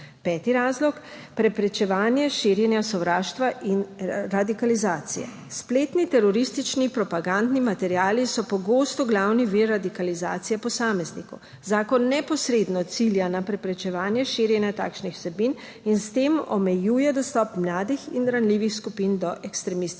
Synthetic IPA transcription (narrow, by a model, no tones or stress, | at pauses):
pɛːt̪iɾaːzlɔk | pɾɛpɾɛt͡ʃɛʋaːnjɛʃiːɾjɛnjasɔwɾaːʃt̪ʋaʔinɾad̪ikalizaːt̪sḭjɛ̰ | spleːt̪nit̪ɛɾɔɾist̪it͡ʃnipɾɔpaɡand̪nimat̪ɛɾjaːlisɔpɔɡoːst̪ɔɡlawniʋiɾːad̪ikaliza̰ːt̪sijɛpɔsaːmɛznikɔ̰w | zaːkɔnːɛpɔsɾeːd̪nɔt̪siljanapɾɛpɾɛt͡ʃɛʋaːnjɛʃiɾjɛnjat̪a̰ːkʃnixwsɛbin | inst̪eːmɔ̰mɛjuːjɛd̪ɔst̪ɔpmlaːd̪ixḭnɾanliːʋixskupind̪ɔʔɛkst̪ɾɛmist̪